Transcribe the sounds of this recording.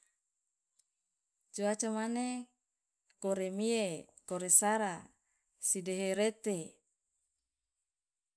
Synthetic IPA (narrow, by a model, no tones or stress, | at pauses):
t͡ʃuat͡ʃamane | koɾemiekoɾesaɾa | sideɦeɾet̪e